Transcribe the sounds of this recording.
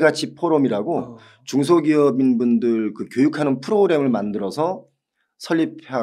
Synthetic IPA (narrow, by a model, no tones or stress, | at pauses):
ɡat͡ɕʰipʰoɾʌmiɾaɡo | t͡ɕuŋs̬ʰoɡiʌbinbundɯɭkɯkjojukʰanɯnpʰɯɾoɡɾe̞mɯɭmandɯɾʌsʰʌ | sʰʌʎːip̚ʰa